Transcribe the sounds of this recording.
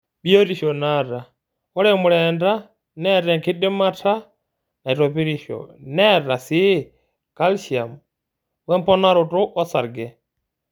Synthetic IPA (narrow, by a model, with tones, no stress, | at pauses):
ɓi˦o˦ɾi˨ʃɔ˨na˦ɾa˨ | ɔ˦ɾɛ˦mu˨ɾɛnda˦ | nɛ˦tɛ˨ŋki˦dɪ˦ma˦tʰa˦ | na˨i˨tɔ˨pi˦ɾi˨ʃɔ̰˨nɛ˦ɾa˨si˦ | ka˦lʃi˨a˨m | wɛ˦mpɔ˦na˦ɾʊ˨tʊ˦ʔɔ˦sa˨ɾɡɛ˨